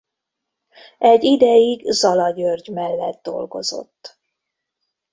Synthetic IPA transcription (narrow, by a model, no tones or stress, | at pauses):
ɛɟːid̪ɛjiɡzɒlɒɟørɟmɛlːɛd̪̚d̪o̞̰lɡo̞zo̞̰t̪ː